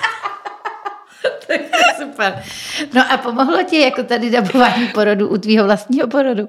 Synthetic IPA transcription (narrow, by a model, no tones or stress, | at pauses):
t̪ʰakɛsupɛɾno̞ʔapo̞moɦlo̞cɪjako̞t̪adɪdabovaːɲipo̞ɾoduʔut̪viːɦo̞vlast̪ɲiːɦo̞poɾodu